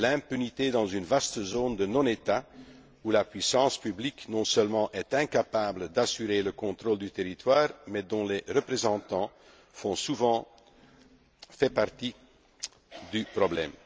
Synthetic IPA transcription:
lɛ̃pynit̪ed̪ɑ̃zynvast̪əzoːnd̪ənɔ̃net̪a | ulapɥisɑ̃spybliknɔ̃sœlmɑ̃ʔɛt̪ɛ̃kapabləd̪asyʁeləkɔ̃t̪ʁoːld̪yt̪eʁit̪waːʁmɛd̪ɔ̃leʁəpχezɑ̃t̪ɑ̃ | fɔ̃suvɑ̃ | fɛpaʁt̪i | d̪ypʁɔblɛm

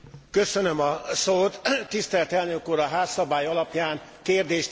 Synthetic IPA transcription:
kø̞sønømɒsoːt̪ːist̪ɛlt̪ɛlnøkuːɾɒɦaːsːɒbaːjɒlɒpjaːnkeːrd̪eːʃt̪

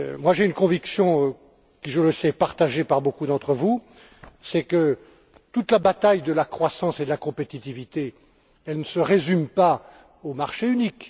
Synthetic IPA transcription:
mwaʒeynkɔ̃viksjɔ̃ | kʲiʒələsɛpaʁt̪aʒepaʁbokud̪ɑ̃t̪χəvu | sɛkə | t̪ut̪labat̪ajd̪əlakχwasɑ̃sed̪əlakɔ̃pet̪it̪ivit̪e | ɛlnəsəʁezympa | omaʁʃeynik

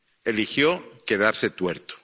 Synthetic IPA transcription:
elixjoke̞ð̞aɾset̪weɾt̪o̥

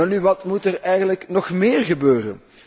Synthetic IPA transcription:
nyʋɑtmutərɛjɣənləknɔxmɪːrɣəbøːrən

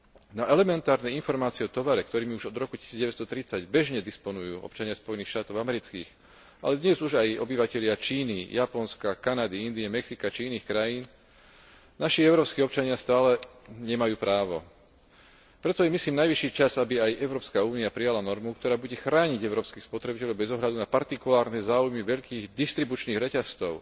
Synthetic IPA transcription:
naʔɛlɛmɛnt̪aːɾnɛinfɔɾmaːt͡siɛɔt̪ɔʋaɾɛkt̪ɔɾiːmiuʒɔd̪ɾɔkuci̥siːd͡zɟɛʋɛt͡sst̪ɔt̪ɾit͡saɟbɛʒɲɛd̪ispɔnujṵːʔɔ̰pt͡ʃaɲɪaspɔjɛniːxʃt̪aːt̪ɔʊamɛɾit͡skḭːx | ʔa̰lɛd̪ɲɛzuʒajɔ̰biʋacɛʎɪat͡ʃiːnijapɔnskakanad̪iind̪iɛmɛksikat͡ʃiiniːxkɾajiːn | naʃiɛʊɾɔːpskiːɔpt͡ʃaɲɪast̪aːlɛɲɛmajuːpɾaːʋɔ̰ | pɾɛt̪ɔjɛmisliːmnajʋiʃːiːt͡ʃazabiajʔɛʊɾɔːpskauːniapɾijalanɔɾmukt̪ɔɾaːbuɟɛxɾaːɲiɟɛʊɾɔːpskiːxspɔt̪ɾɛbicɛʎɔʊbɛzɔɦʎad̪unapaɾt̪ikulaːɾnɛzaːujmiʋɛʎkiːɣd̪ist̪ɾibut͡ʃniːɣɾɛcast͡sɔʊ

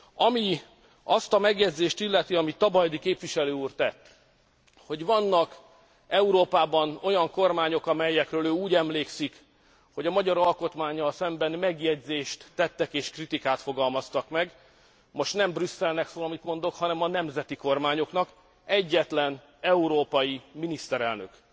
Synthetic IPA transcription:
ɒmi | ɒst̪ɒmɛɡjɛɟzeːʃt̪ilːɛt̪iɒmit̪ːɒbɒjd̪ikeːpʋiʃɛløːuːrt̪ɛt̪ː | ho̞ɟvɒnːɒk | ɛuɾoːpaːbɒno̞jɒŋko̞rmaːɲo̞kɒmɛjːɛkrøːløːuːɟɛmleːksik | ho̞ɟɒmɒɟɒɾɒlko̞t̪maːɲːɒlsɛmbɛnmɛɡjɛɟzeːʃt̪ːɛt̪ːɛkeːʃkrit̪ikaːt̪fo̞ɡɒlmɒst̪ɒkmɛɡ | mo̞ʃt̪nɛmbrysːɛlnɛksoːlɒmit̪mo̞nd̪o̞khɒnɛmɒnɛmzɛt̪iko̞rmaːɲo̞knɒk | ɛɟːɛt̪lɛn | ɛuɾoːpɒjiminist̪ɛɾɛlnø̰k

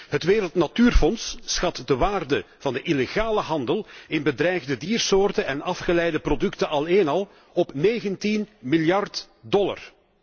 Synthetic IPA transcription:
ɦətʋeːɾəlˠtnatyːrfɔnsːxɑtdəʋaːrdə | v̥ɑndəʔileɣaːləɦɑndəlˠɪnbədɾɛjɣdədiːrsoːrtəʔɛnɑfχəlɛjdəprodʏktəɑlˠeːnɑlˠ | ɔpneːɣəntinmɪljɑrt | dɔla̰r

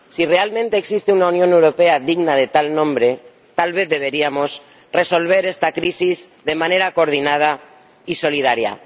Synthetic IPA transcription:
sire̞almẽnt̪eːksist̪eunaunjõne̞wɾo̞peaðiɣnað̞e̞t̪alnõ̞mbɾe̞ | t̪alβe̞θðe̞β̞e̞ɾiamo̞s | re̞so̞lβ̞e̞ɾest̪akɾisizðe̞mãne̞ɾakoːɾð̞inað̞a | iso̞lið̞aɾja̰

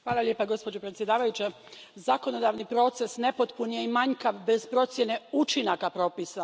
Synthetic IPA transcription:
xʋaːlˠalʲje̞ːpaɡo̞spo̞d͡ʑo̞pɾet̪sje̞d̪aːʋajut͡ɕe | zako̞no̞d̪aʋnipɾo̞ːt̪se̞sne̞po̞t̪punijeimaɲkaʋbe̞zpɾo̞t̪sjene̞ut͡ʃinakapɾo̞ːpisa

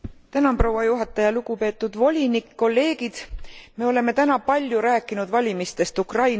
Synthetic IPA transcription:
t̪ænɑmpro̞wɑjuɦɑt̪ːˑɑjɑluɡ̥upe̞ːt̪ːˑud̪̥vo̞lʲinikːo̞lːe̞ːɡ̥id̪̥me̞o̞le̞me̞t̪ænɑpɑlʲjuɾæːkːˑinud̪̥vɑlʲimist̪e̞st̪ukrɑjn

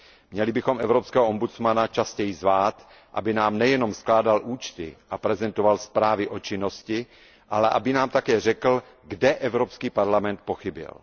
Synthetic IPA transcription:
mɲɛlɪbɪxomʔɛvɾopskɛːɦoʔombut͡smanat͡ʃascɛjzvaːt̪ | ʔa̰bɪnaːmnɛjɛno̞msklaːdalʔuːt͡ʃt̪ɪ̰ʔapɾɛzɛnt̪ovalspɾaːvɪʔot͡ʃɪnoscɪ | ʔalɛʔa̰bɪnaːmt̪akɛːr̝ɛkl̩ | ɡdɛʔɛvɾopskiːpaɾlamɛnt̪̚poxɪbɪ̰l

